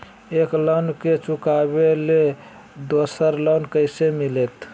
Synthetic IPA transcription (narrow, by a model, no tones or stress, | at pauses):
eklənket͡ʃukabele | d̪osəɾlənkəɪsemilet̪